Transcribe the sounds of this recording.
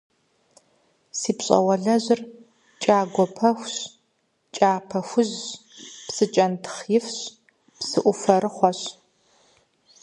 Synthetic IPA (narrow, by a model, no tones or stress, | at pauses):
siːpɕʼɐ̰wɐɮɐʑɪr | t͡ʃʼaːɡʷɔpʰɐxʷɕ | t͡ʃʼaːpʰɐxʷʊʑ | psɨt͡ʃʼɐntʰχjɪfɕ | psɨʔʷʊfɐɾɨχʷɔɕ